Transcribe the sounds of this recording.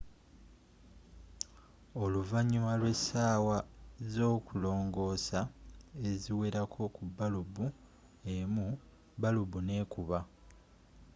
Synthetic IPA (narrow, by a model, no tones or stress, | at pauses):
o̞luvaɲimalwe̞saːwazo̞ːkulo̞ːŋɡo̞saeziwe̞ɾakʰo̞kubːalubu | emu | balubune̞ːkuβa